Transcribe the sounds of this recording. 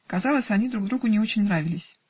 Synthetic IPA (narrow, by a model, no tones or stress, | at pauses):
kɐzɑlˠəsʲɐnʲid̪ɾuɡd̪ɾuɡʊnʲɪo̞t͡ɕɪnʲnɾavʲɪlʲɪsʲ